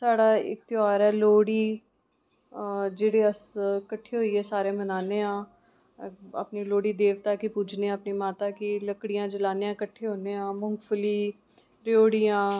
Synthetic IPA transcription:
saːɽaːɪ̰k̚t̪ɪaːɾɛːloːɽiː | d͡ʒeːɽeːəskəʈʰːeːɦoːiːɦɛːsaːɾẽːmənaːneːãː | ə̰pniːloːɽiːd̪eːʋt̪aːkipuːd͡ʒneːãːəpniːmaːt̪aːkiləkɽijãːd͡ʒəlaːneãːkəʈʰːeːɦoːneːãːmʊŋɡfəliː | ɾɪoːɽijãː

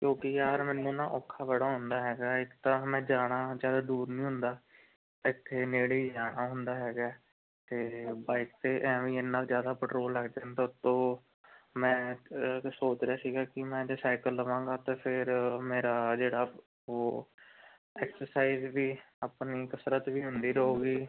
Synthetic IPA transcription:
kjõːkɪjaːɾmɛ̃ːnːũːnãːʔɔːkʰːaːbəɽaːɦʊ̃nd̪aːɦɛːɡaːɪkt̪ãːmɛ̃ːd͡ʒaːɽ̃aːd͡ʒjaːd̪aːd̪uːɾnĩːɦʊ̃nd̪aː | ɪt̪ʰːeːneːɽeːd͡ʒaːɽaːɦʊnd̪aːɦɛːɡaː | t̪eːbaːɪk̚t̪eːʔɛ̃ːʋĩːɪnːãːzjaːd̪aːpəʈɾoːlːəɡd̪ãːnd̪aːʊt̪ːõː | mɛ̃ː | soːt͡ʃɾjaːsiːɡaːkɪmɛ̃ːd͡ʒesaːɪkəlːəʋãːŋɡaːt̪eːpʰɪɾmeːɾaːd͡ʒeːɽaː | oː | ɛːksəɾsaːizʋiː | apniːkəsɾət̪ʋiːɦʊnd̪iːɾəoːɡiː

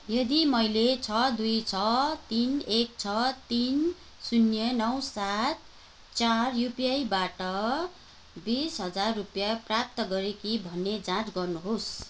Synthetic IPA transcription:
jʌd̪imʌjlet͡sʰʌd̪ujt͡sʰʌt̪inek̚t͡sʰʌt̪in | sunjʌnʌwsat̪̚ | t͡sarjupijajbaʈʌ | bisɦʌd͡zarːupjaprap̚t̪ʌɡʌɾekibʱʌnːed͡zãt͡sɡʌrnuɦos

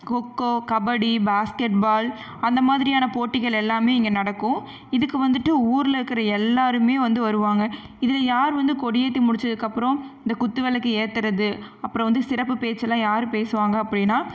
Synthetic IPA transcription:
kokːoːkɐbɐɽibaːskɛʈ̚baːl | ɐnd̪ɐmaːðɪɾɪjaːnɐpoːʈːɪɣɐɭɛlːaːmeːɪŋɡɐnɐɽɐkːʊ̃ | ɪðɯkːɯʋɐnd̪ɯʈːɯuːɾɪlɪɾɯkːɪɾɐɛlːaːɾɯmeːʋɐnd̪ɯʋɐɾɯʋaːŋɡɐɪðɪlɐjaːɾʋɐnd̪ɯkɔɽɪjeːt̪̬ːimʊɽɪt͡ʃːɐðɯkːɐpːɯɾɔ̃ɪnd̪ɐkʊt̪ːɯʋɛlɐkːɯeːt̪ːɐɾɐðɯ | ɐpːɯɾɔ̃ʋɐnd̪ɯsɪɾɐpːɯpeːt͡ʃːɐlːãːjaːɾɯpeːsɯʋaːŋɡɐːpːɐɽɪnːaː

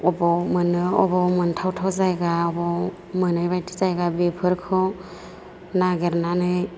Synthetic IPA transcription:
ɔbɔmɯnɯɔbɔmɯntʰawtʰawzajɡaɔbɔ | mɯnɯjbajtʰi̥zajɡabepʰɯɾkʰɯ | naɡeɾnanɯj

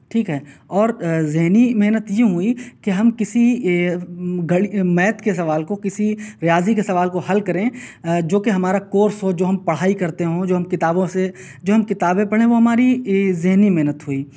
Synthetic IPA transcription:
ʈʰiːkɦɛːɔːɾzɪɦnimeɦnət̪jeɦuikeɦɐmkɪsi | ɡɐɽimɛːt̪kesɐʋaːlkokɪsiɾɪjaːzikesɐʋaːlkohɐlkɐɾẽd͡ʒoːkeɦɐmaːɾakoːɾsɦod͡ʒoːɦɐmpɐɽ̤aːikɐɾt̪eɦõd͡ʒoːɦɐmkɪt̪aːbõse | d͡ʒoːɦɐmkɪt̪aːbẽpɐɽ̤ẽʋoɦɐmaːɾizɪɦnimɛɦnət̪ɦuiː

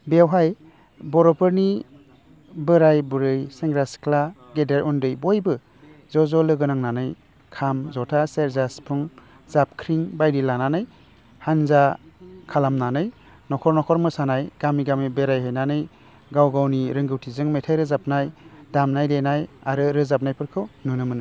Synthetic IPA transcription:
bewɦaj | bɔɾɔpʰɯɾni | bɯɾajbuɾɯjseŋɡɾaskʰla | ɡedeɾʔɔndɯjbɔjbɯ | zɔzɔlɯɡɯnaŋnanɯj | kʰamzɔtʰaseɾzaspʰuŋ | zap̚kʰɾiŋbajdilananɯj | hanzakʰalamnanɯj | nɔkʰɔɾnɔkʰɔɾmɯsanajɡ̥amiɡamibeɾajɦɯjnanɯj | ɡawɡawniɾɯŋɡɯwtʰizɯŋmetʰajɾɯzap̚najdamnajdejnajaɾɯɾɯzap̚najpɯɾkʰɯwnɯnɯmɯnɯj

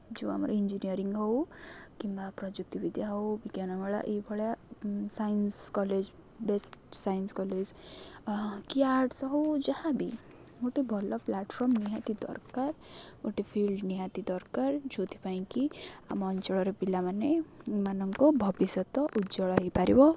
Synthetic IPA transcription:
d͡ʒo̰a̰mɔɾɔind͡ʒiniɔɾiŋɡɦɔwkimbapɾɔd͡ʒuk̚t̪ibid̪ʱjaɦɔwbikjanɔɡɔɭa̰ʔebʱɔɭjasajnskɔled͡ʒ | besʈsajnskɔled͡ʒ | kiaɾʈsɔɦowd͡ʒahãbi | moʈebʱɔlɔplaʈpʰɔɾmniɦat̪id̪ɔ̰ɾkaɾmoʈipʰilɖniɦãt̪id̪ɔɾkaɾd͡ʒot̪ʰi̥paĩkiamɔːnt͡ʃɔɭɔɾɔpilamanemanɔŋkɔbʱɔbisɔt̪ɔʔud͡ʒɔɭɔɦepaɾibɔ

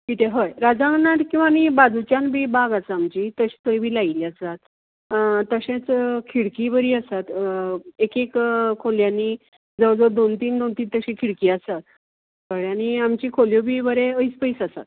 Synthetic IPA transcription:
kit̪ʰeɦəjɾad͡zãŋɡnaʈkĩw̃ʋanibad͡zut͡ɕjãnbʱiːbaɡat͡samt͡ɕit̪əɕi̥t̪əjbʱiːlailiasat̪ | t̪ːəɕẽt͡skʰiɽkibəɾiːəsat̪ekekkʰoljani | d͡zəwd͡zɔd̪ont̪iːnd̪ont̪iːnt̪əɕĩkʰiɽkiːasat̪̚ | kəɭaniamt͡ɕikʰoljobiːbəɾeəispəisasa̰t̪̚

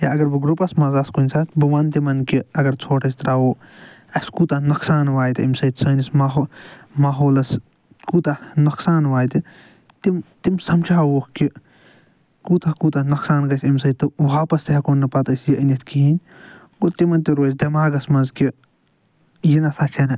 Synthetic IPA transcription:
jaɐɡɐɾbɨɡɾupɐsmɐzɐskunʲsʰat̪bɨʋɐnt̪imɐnkiɐɡɐɾt͡sʰoːʈʰɐsʲt̪ɾaːwoː | ɐsʲkut̪ɐnɐksaːnʋaːjt̪iimʲsɐt̪t͡sɐːnismaɦomaːɦoːlɐs | kuːt̪anɐksaːnʋaːjt̪i | t̪imt̪imsɐmt͡ʃʰaːwoːkki | kuːt̪ɐkut̪ɐnɐksaːnɡɐsʲimʲsɐt̪ːɨʋaːpɐst̪eɦɐkoːnːɨpɐt̪ɐsjiʔɐnʲɐt̪ʰkiinʲ | ɡot̪imɐnt̪iɾoːsʲd̪ɐmaːɡɐsmɐzki | jinɐsɐt͡ʃʰɐnɐ

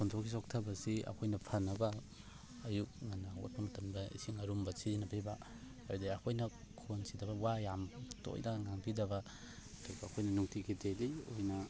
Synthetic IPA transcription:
pʰontʰokʰisoktʰɐbɐsiɐ̰kʰojnɐpʰɐnːɐbɐː | juk̚ŋanːɐo̰t̚pɐŋutɐnbɐḭsiŋɐɾumbɐsiɾinɐbeba | aɾdiɐkʰojnɐ | kʰonsidɐbɐwajamto̰jnaŋaŋpʰidɐbɐ | ɐdubɐːkʰojnɐnuŋtʰikʰitelio̰jnɐ

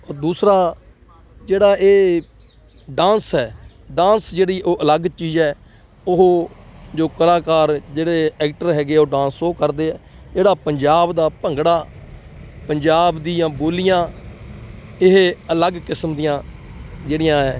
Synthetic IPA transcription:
ɔːd̪uːsɾaː | d͡ʒeːɽaːeː | ɖãːnsɦɛː | ɖãːnsd͡ʒeːɽiːʔoːʔələɡt͡ʃiːzɛː | ʊɦoːd͡ʒoːkəɾaːkaːɾd͡ʒeːɽeːɛːk̚ʈəɾɦɛːɡeːoːɖãːnsoːkəɾd̪eːɛːd͡ʒeːɽaːpəɲd͡ʒaːbd̪aːpəŋɡɽaː | pəɲd͡ʒaːbd̪ijãːboːlɪjãː | ɪɦələɡkɪsmd̪ijãːd͡ʒeːɽɪjãːɛː

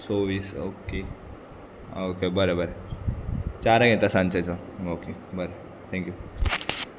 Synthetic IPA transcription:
soːʋiːso̰ːke | oːkebɐɾebɐɾe | t͡ʃaːɾɐɡẽt̪asãnt͡ʃɐt͡ʃaoːkebəɾe | t̪ʰɛ̃ŋkju

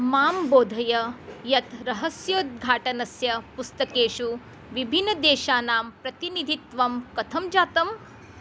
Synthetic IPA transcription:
maːmboːd̪ʱɐjɐjɐt̪ɾɐɦɐsjoːt̪̚ɡʱaːʈɐnɐsjɐpust̪ɐkeːʃu | ʋibʱinːɐd̪eːʃaːnaːmpɾɐt̪inid̪ʱit̪ʋɐmkɐt̪ʰɐmd͡ʒaːt̪ɐm

